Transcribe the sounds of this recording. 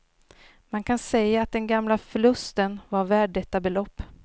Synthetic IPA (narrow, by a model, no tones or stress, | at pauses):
mankʰansɛjːaat̪̚d̪ɛnɡamlafœɭɵst̪ənvaɾvæːɖɛt̪ːabɛlɔpː